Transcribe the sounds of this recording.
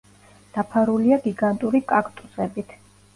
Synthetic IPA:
d̪̥apʰaɾuliaɡiɡant̪ʼuɾikʼakʼt̪ʼusɛbit̪ʰ

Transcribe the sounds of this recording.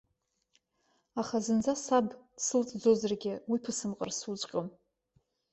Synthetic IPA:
aχazɨnd͡zasabd̥sɨlt͡sʼd͡zozɨrɡʲɪwipʰɨsɨmqʼə̰rsut͡sʷʼqʲʼom

